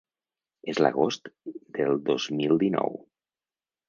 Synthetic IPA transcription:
ezlə̰ɣost̪d̪əlˠd̪ozmilˠd̪inɔ̰w

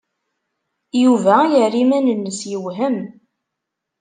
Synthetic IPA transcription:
juvæjərːimænənːəsjəwɦəm

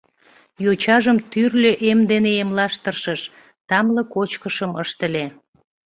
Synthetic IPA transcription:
jot͡ɕɑʒəmt̪yrlʲøʔemd̪eneemlɑʃt̪ərʃəʃ | t̪ɑmləkot͡ɕkəʃəməʃt̪əle

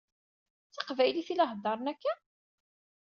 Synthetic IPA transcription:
t͡sɑqvæjliθilɑɦd̪ɑɾˤnækːæ

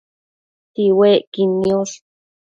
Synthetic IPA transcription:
t̪iweːʔkinioɬ

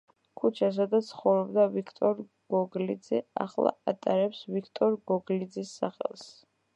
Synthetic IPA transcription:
kʰut͡ʃʰas̬ad̪at̪sʰχɔvɾɔbd̪avikʰt̪ʼɔɾ | ɡ̥ɔɡlid̪zɛa̰χlˠa̰at̪ʼaɾɛpsvikʰt̪ʼɔɾɡɔɡlid̪zisːa̰χɛ̰lˠs

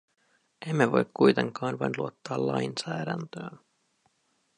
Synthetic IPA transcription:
ʔe̞mːeʋo̞̰jkkːujt̪e̞ŋkɑːnʋɑjnluot̪ːɑːlːɑ̰jnsæːdænt̪øːn

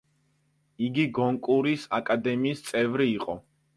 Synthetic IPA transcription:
iɡiɡɔŋkʼuɾisakʼad̪ɛmiːst̪sʼɛvɾiːqʼɔ

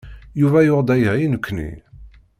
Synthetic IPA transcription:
juvæjʊʁd̪æjʁinəkʷːnḭ

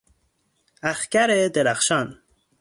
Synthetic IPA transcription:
axkaɾed̪eɾaxʃɑn

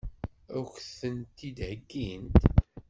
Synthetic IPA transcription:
ʊçθənt̪ːid̪həɡːint̪

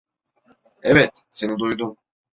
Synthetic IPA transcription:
evɛt̪se̞nid̪ujd̪um

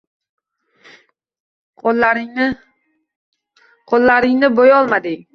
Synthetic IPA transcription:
qʰolˠːaɾɪŋnɪbojɒlˠmad̪ɪ

